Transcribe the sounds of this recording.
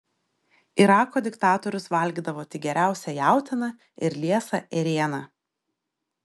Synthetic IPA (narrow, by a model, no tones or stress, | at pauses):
ɪɾɑːkoːd̪ʲɪkt̪ɑːt̪ɔɾʲʊsʋɐlʲɡʲiːd̪ɐʋoːt̪ʲɪɡʲɛɾʲæˑʊsʲɛjæˑʊt̪ʲɪnɐ | ɪɾlʲiɛsɐʔɛɾʲeːnɑ